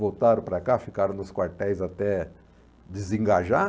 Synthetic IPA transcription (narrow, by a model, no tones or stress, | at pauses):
vowt̪aɾʊ̃pɾɐkafikaɾɐ̃nʊskwaɾt̪ɛjzat̪ɛ | d̪ezĩŋɡaʒa